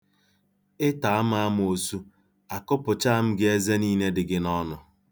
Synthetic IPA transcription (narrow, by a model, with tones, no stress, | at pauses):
ɪ˦ta˨a˦m̩˦a˦m˦o˨su˦ | a˨kʊ˦pʊ˨t͡ʃa˦a˦˨m̩˦ɡɪ˦e˦ze˦niː˦ne˦dɪ˨ɡɪ˦nɔ˦nʊ˨